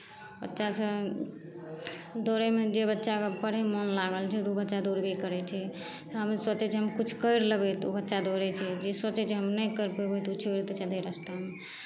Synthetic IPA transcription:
bə̰tːʃasə̃ | d̪oɾemed͡ʒebətːʃapəɽemənlaɡəlt͡ʃʰɛt̪obətːʃad̪oɾbekəɾɛt͡ʃʰɛ | t̪ɦəmswət͡ʃɛt͡ʃʰɛɦəmkut͡ʃʰkəɪɾləbɛt̪obətːʃad̪oɾɛt͡ʃʰɛd͡ʒeswət͡ʃɛt͡ʃʰɛɦəmnəjkəɾpebojt̪ut͡ʃʰbeɾt̪ət͡ʃad̪eɾəst̪ame

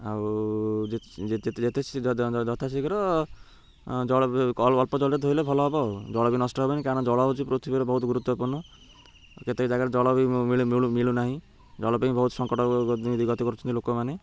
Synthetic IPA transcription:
awd͡ʒed͡ʒet̪d͡ʒet̪ʰesʰid͡ʒɔt̪ʰasʰikɔɾɔ | d͡ʒɔɔlɔlpɔd͡ʒɔlet̪ɦoilebʱɔlɔɦɔbɔd͡ʒɔɭɔbinɔsʈɔɦebɔnikanɔd͡ʒɔɭɔɦot͡ʃʰipɾot̪ʰibiɾɔbɔɦut̪ɡuɾut̪wɔpuɾnɔ | ket̪ekd͡ʒaɡaɾed͡ʒɔɭɔbimiɭumiɭumiɭunaɦĩ | d͡ʒɔɭɔpaĩbɔɦut̪sɔŋkɔʈɔd̪id̪iɡɔt̪ɔkɔɾut͡ʃʰɔnt̪ilokɔmane

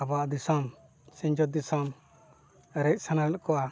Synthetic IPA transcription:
abaʔd̪isɔm | sĩɲd͡ʒɔt̪̚d̪isɔm | ɾɛc̚ˀsanalɛlkɔa

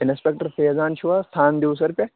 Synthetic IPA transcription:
ɪnspʲek̚ʈɐɾfeːzaːnʃuʋaːst̪ʰaːnd̪iws̬ɐɾpʲɐ

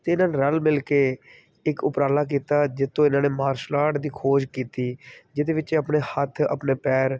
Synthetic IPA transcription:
t̪eːɪnãːneːɾəlmɪlkeː | ɪkʊpɾaːlaːk̬iːt̪aːd͡ʒɪt̪ːõːɪnãːneːmaːɾʃlaːʈd̪iːkʰoːd͡ʒkiːt̪iːd͡ʒɪd̪eːʋɪt͡ʃeːəpneːhət̪ʰə̰pneːpɛːɾ

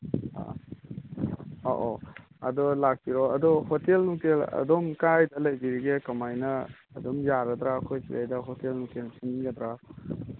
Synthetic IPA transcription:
a̰ | o̰ʔɔ | ɐ̰dɔlak̚piɾɔɐdɔhotelnukelɐ̰domkajdɐlɐjbiɾiɡekɐmajnɐ̰ː | domjaɾɐd̪ɾakʰojsḭja̰jdɐɦotelnukelsiniɡɐd̪ɾa

